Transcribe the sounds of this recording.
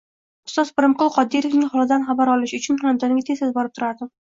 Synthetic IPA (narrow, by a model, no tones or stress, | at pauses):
ʊst̪ɒzpɪɾɪmqʊlˠqʰɒd̪ːiɾefnɪŋχɒlˠɪd̪anχabaɾɒlˠɪʃʊt͡ʃʰʊnχamd̪ɒnɪɡʲat̪ʰezezbɒɾɪp̚t̪ʰʊɾaɾd̪ɪ